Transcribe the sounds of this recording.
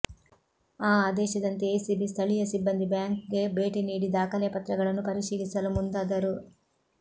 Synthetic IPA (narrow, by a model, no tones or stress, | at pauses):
aːaːd̪ɛːʃɐd̪ɐnt̪eeːsibist̪ʰɐɭijɐsibːɐnd̪ibjaːŋkɡe̞be̞ːʈiniːɽid̪aːkɐljɐpɐt̪ɾɐɡɐɭɐnːupɐɾiʃiːlisɐlumund̪aːd̪ɐɾu